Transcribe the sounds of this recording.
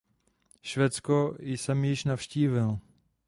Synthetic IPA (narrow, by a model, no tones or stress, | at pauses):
ʃvɛːt͡skojsɛmjɪʃnafʃciːvɪl